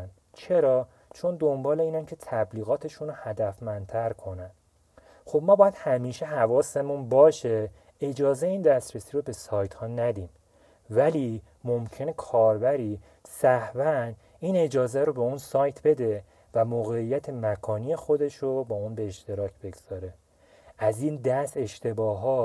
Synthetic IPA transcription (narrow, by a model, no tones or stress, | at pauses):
n | t͡ʃʰe̞ɾɒː | t͡ʃʰo̞nd̪o̞mbɒːle̞iːnæŋcʰe̞t̪ʰæbliːɣɒːt̪ʰe̞ʃuːnohæd̪æfmænd̪t̪ʰæɾkʰo̞næn | xo̞bmɒːbɒːjæd̪̥hæmiːʃeɦævɒːse̞munbɒːʃe̞ | e̞d͡ʒɒːzeiːnd̪æst̪ɾesiːɾobe̞sɒːjt̪hɒːnæd̪im | væliː | momcʰe̞ne̞kʰɒːɾbæɾi | sæhvæn | iːne̞d͡ʒɒːzæɾobeunsɒːjt̪ʰbe̞d̪e̞ | væmoɣe̞ijːæt̪ʰe̞mækʰɒːniːje̞xo̞d̪e̞ʃɾobɒːunbe̞ːʃt̪e̞ɾɒːcʰbe̞ɡz̥ɒːɾe̞ | ʔæziːnd̪æst̪e̞ʃt̪e̞bɒːɦɒː